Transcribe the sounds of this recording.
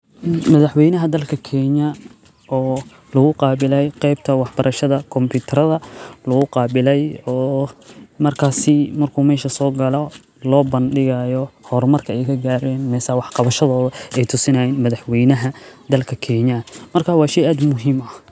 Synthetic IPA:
mɐðɐħwɛjnɐɦɐd̪ɐlkʰɐkʰɛɲɐ | ɔː | lɐɣʊqɑːbɪlɛjqɛjb̚t̪ʰɐwɑħbɐɾʔɐʃɐðɐkʰɔmpʰuːt̪ʰɐɾɐðɐlɐɣʊqɑːbɪlɛjɔː | mɐrkʰaːsɪmɐrkʰuːmɛːʃɐsɔːɡɐlɔ | lɔːbɐnɖɪɣɐjɔhɔrmɐrkʰɐɛjkʰɐɡaːɾɛːnmɛːsɐwɑħqɑβɐʃɐðɔːðɐɛjt̪ʰʊsɪnɐjɛːnmɐðɐħwɛjnɐɦɐd̪ɐlkʰɐkʰɛɲɐmɐrkʰaːwɑːʃɛjaːd̪mʊɦimɐ

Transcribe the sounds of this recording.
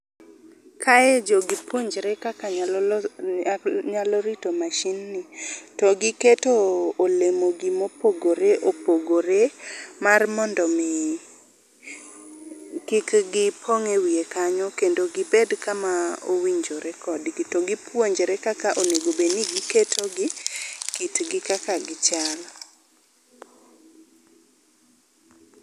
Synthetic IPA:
kʰaɛd͡ʒoɡipwoɲd͡ʒɾekakaɲal | ɲalɔɾitomaʃinːɪtɔɡɪketoːlemoɡimopoɡoɾeʔopoɡoɾemarmɔndɔmɪ | kɪkɡɪpʰoŋewiekaɲɔkendoɡɪbedkamao̰wiɲd͡ʒoɾɛkɔdkitoɡipwoɲd͡ʒeɾekakaʔoneɡobeniɡiketʰoɡɪkitɡɪkakaɡɪt͡ʃalɔ

